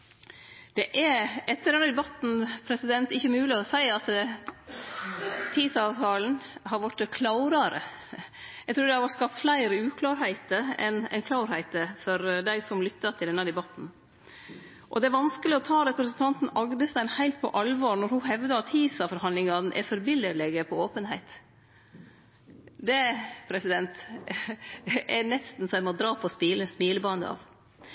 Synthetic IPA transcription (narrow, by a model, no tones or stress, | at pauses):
d̪̥ɛʔæɛt̪ːəɖɛnːəd̪ɛbɑt̪n̩pʰɾɛsɪd̪ɛnt̪ɪçːəmʉːlɪɔsæɪɑt̪ | t̪ʰiːsɑːʋt̪ʰɑːln̩hɑɾʋɔʈːəkʰlɑʊɾɑɾə | jæɡt̪ʰɾuːɾd̪ɛhɑɾʋɔʈskɑpt̪flæɪɾəʉːkʰlɑːɾhæɪt̪əɾɛ̰nɛ̰nkʰlɑʊɾhæɪt̪əfɔɾd̪æɪsɔmlʏt̪ːɑɾt̪ʰɪld̪ɛnːəd̪ɛbɑt̪n̩ | ʔɔ̰d̪ɛæɾʋɑnskəlɪɔt̪ʰɑːɾɛpɾəsnt̪ʰɑnt̪n̩ɑɡd̪əst̪æɪnhæɪlt̪̚pʰɔ̰ʔɑlʋɑɾnɔɾhʊɦɛʋd̪ɑt̪ʰiːsɑfɔɾhɑnlɪŋɑn̩ʔɛ̰ɾfɔɾbɪləlɛɡəpʰɔoːpənhæɪt̪ | d̪ɛpʰɾɛsɪd̪ɛnt̪ | ænɛst̪n̩sɔæmɔd̪ɾɑːpʰɔspiːləspiːləbɑnd̪ə̰ɑ̰ʋ